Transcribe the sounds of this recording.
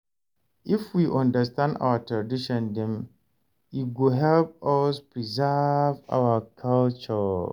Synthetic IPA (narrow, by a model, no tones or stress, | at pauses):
ɪfwiʔɔ̃ndəstãnda̰watʰɹadiʃɔ̃ndĩm | iɡoɦɛlp̚ɔspʰɹizava̰wakʰalt͡ʃɔ